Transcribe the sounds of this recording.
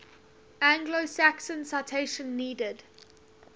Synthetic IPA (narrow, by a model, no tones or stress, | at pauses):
æ̃ŋɡlosæksə̃nsaɪtʰeɪʃə̃nːiːdəd